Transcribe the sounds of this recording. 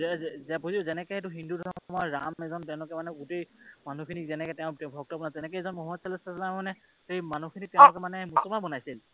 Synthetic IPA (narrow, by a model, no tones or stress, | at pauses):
zɛzzɛbuziʊzɛnɛkɛetuɦindudʱɔmɔmɔɹamɛzɔntɛ̃ʊ̃lʊkɛmanɛɡutejmanukʰinikzɛnɛkɛtɛʊ̃tɛbʱɔk̚tɔbɔnazɛnɛkɛɛzɔnmɔɦɔtsɛlɔsaslammanɛ | ejmanukʰinik̚tɛʊ̃lʊkɛmanɛmusɔmabɔnajsil